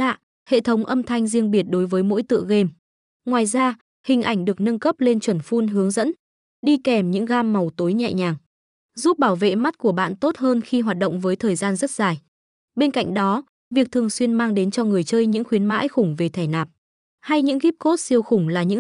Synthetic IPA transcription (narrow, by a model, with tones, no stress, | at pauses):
la̰ː˧˨ | hḛ˧˨t̪ʰə˨˦wŋ͡mʔə˧mt̪ʰa˧jŋ̟zi˧əŋɓi˨˩ət̚ɗo˨˦jvəː˨˦jmo̰˧˥jt̪ɨ̰˧˨ɣe˧m | ŋwaː˨˩jzaː˧ | hï˨˩ŋ̟ʔa˧˩jŋ̟ɗɨ˨˩ək̚nə˧nkə˦˥p̚le˧nt͡ɕwə˧˩nfu˧nɦɨ˨˦əŋzə̰˧˥n | ɗi˧kɛ˨˩mɲɨ̰˧˥ŋɣaː˧mːa˨˩wt̪o˨˦jɲɛ̰˧˨ɲaː˨˩ŋ | zu˦˥p̚ɓaː˧˩wvḛ˧˨ma˦˥t̚ku˧˩əɓa̰ː˧˨nt̪o˦˥t̚həː˧nxi˧ɦwaː˨˩t̚ɗə̰˧˨wŋ͡mvəː˨˦jt̪ʰəː˨˩jzaː˧nzə˦˥t̚z̥aː˨˩j | ɓe˧nka̰˧jŋ̟ɗɔ˨˦ | vi˨˩ək̚t̪ʰɨ˨˩əŋswi˧ənmaː˧ŋɗe˨˦nt͡ɕɔ˧ŋɨ˨˩əjt͡ɕəː˧jɲɨ̰˧˥ŋxwi˨˦ənma̰ː˧˥jxʊ˧˩ŋ͡mve˨˩t̪ʰɛ˧˩jnaː˨˩p̚ | ha˧jɲɨ̰˧˥ŋɣi˦˥p̚ko˦˥t̚si˧əwxʊ˧˩ŋ͡mlaː˨˩ɲɨ̰˧˥